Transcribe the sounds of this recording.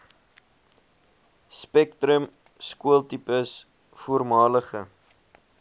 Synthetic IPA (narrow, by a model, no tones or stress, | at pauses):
spɛktɾəm | skuəlˠtipəs | fuərmɑːləχə